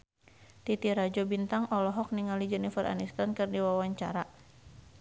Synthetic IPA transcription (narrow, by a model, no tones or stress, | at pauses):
t̪it̪iɾad͡ʒɔbint̪aŋʔɔlɔɦɔk̚niŋalid͡ʒɛnifəra̰nist̪ankɨrdiwawaɲt͡ʃa̰ɾa